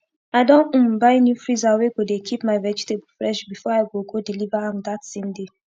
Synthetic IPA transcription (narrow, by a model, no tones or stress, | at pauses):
aɪdõn̩m̩baenufɾizaweɡodekʰipmaɪvɛd͡ʒiteb̩fɾɛʃbifɔaɪɡoɡodilivaɦãmd̪atsẽmde